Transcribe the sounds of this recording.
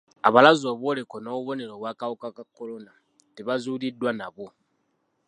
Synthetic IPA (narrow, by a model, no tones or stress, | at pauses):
a̰βalazoβolekonoːβuβo̞ne̞ɾo̞βwaːkawukakakːolo̞na | teβazulidːwanaβo